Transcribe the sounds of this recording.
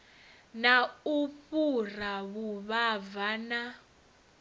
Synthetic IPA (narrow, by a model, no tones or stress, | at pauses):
naupuraβuβavana